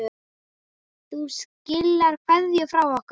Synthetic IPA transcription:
θuscɪlːaɾ̥kʰvɛðjʏfɾawɔhk

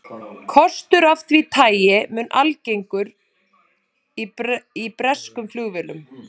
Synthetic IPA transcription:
kʰɔst̪ʏɾaft̪vit̪ʰaːjɪmʏːnʔalcejŋkʏɾ | iipɾɛskʏmflʏːɣvɪlʏm

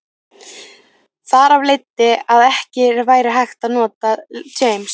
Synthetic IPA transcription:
θaɾavlejt̪ːɪaðɛhcɪɾvaːjɾɪɦajxt̪aðnɔːt̪ad͡ʒeːjms

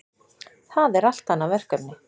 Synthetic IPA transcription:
θaðɛɾal̥t̪anːavɛr̥kœpnɪ

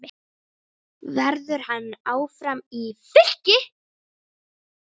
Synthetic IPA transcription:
vɛɾðʏɾ̥hanːaːwfɾamifɪl̥cɪ

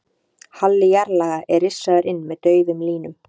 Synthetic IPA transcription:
halːɪjɛɾlaːɣaʔɛɾɪsːaðʏɾɪnːmɛðt̪œːɥðʏmliːnʏm

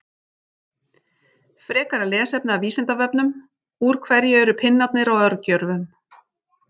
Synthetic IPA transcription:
fɾɛːkaɾalɛːsɛp̚naːviːsɛnt̪avɛpnʏm | uɾ̥kʰvɛɾjɪɛɾʏpʰɪnːat̪nɪɾawœɾcœɾvʏm

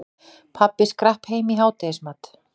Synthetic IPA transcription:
pʰapːɪskɾahpheːjmiɦaːwt̪esmat̪

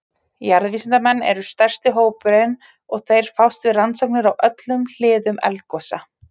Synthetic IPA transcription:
jaɾðviːsɪnt̪amɛnːɛ̰ɾʏst̪ɛr̥st̪ɪɦoːwpʏɾɪn | ɔɣθejɾ̥fawst̪vɪrant̪sɔwknɪɾawʔœt̪lʏml̥ɪːðʏmɛ̰lt̪̚kɔːsa̰

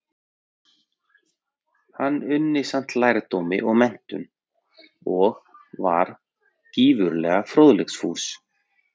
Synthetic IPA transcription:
hanːʏnːɪsan̥t̪laːjɾt̪owmɪʔɔɣmɛn̥t̪ʏ̰n | ɔɣva̰ɾ̥ | ciːvʏɾlɛːɣafɾoːðlɛksfuːs

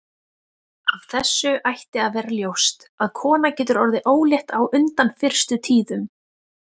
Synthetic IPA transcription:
av̥θɛsːʏʔajht̪ɪaðvɛːɾaljowst̪ | aðkʰɔːnacɛːt̪ʏɾɔɾðɪʔoːwljɛht̪awʔʏnt̪anfɪr̥st̪ʏt̪ʰiːðʏm

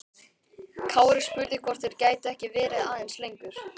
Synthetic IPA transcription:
kʰaːwɾɪ̥spʏɾðɪkʰɔr̥t̪ɪɾ̥caːjt̪ʏɛhcɪvɛːɾɪðaːðɛnslejŋkʏɾ̥

